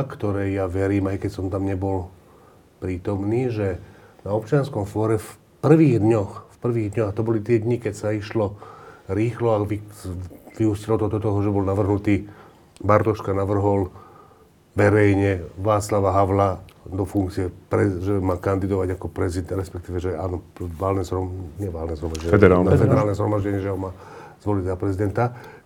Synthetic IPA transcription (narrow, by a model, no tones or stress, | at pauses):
kt̪ɔɾɛjjaʋɛɾiːmajkɛcsɔmt̪amɲɛbɔl | pɾiːt̪ɔmniːʒɛnaɔpt͡ʃɪanskɔmfɔːɾɛf | pr̩ʋiːɣd̪ɲɔxfpr̩ʋiːɣd̪ɲɔɣat̪ɔbɔlit̪ɪɛd̪ɲikɛcsaiʃlɔɾiːxlɔaʋi | ʋiuscilɔt̪ɔt̪ɔt̪ɔɦɔʒɛbɔlnaʋr̩ɦnut̪iː | baɾt̪ɔʃkanaʋr̩ɦɔl | ʋɛɾɛjɲɛʋaːt͡slaʋaɦaʋlad̪ɔfuŋkt͡siɛpɾɛʒɛmaːkand̪id̪ɔʋaɟakɔpɾɛzid̪ɾɛspɛk̚t̪iːʋɛʒɛaːnɔʋaːlnɛzɦɾɔɲɛʋaːlnɛzɦɾɔmaʒɟɛɲɛɛd̪ɛɾaːlnɛfɛd̪ɛɾaːlnɛzɦɾɔmaʒɟɛɲɪɛʒɛɦɔmaː | z̥ʋɔlizapɾɛzid̪ɛnt̪a